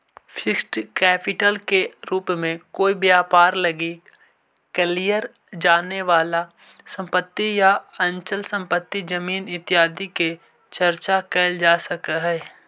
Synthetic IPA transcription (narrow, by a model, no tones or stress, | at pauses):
fʰɪksʈkɛːpɪʈəlkeɾuːpmẽkoːibjaːpaːɾlɐɡi | klijəɾ | d͡ʒaːneʋaːla | sə̃mpət̪ːijaɐ̃nt͡ʃəlsə̃mpət̪ːid͡ʒɐmiːnɪt̪ɪaːd̪ike | t͡ʃəɾt͡ʃakɛːld͡ʒaːsəkɦɛː